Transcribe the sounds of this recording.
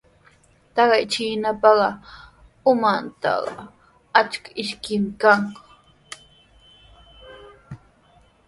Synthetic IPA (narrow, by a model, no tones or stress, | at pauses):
t̪ɑɢɑjt͡ʃiːnapɑɢɑ | ʊmant̪ɑ̰ɢɑ̰ | at͡ʃkḁɪʃkɪmɪkaŋk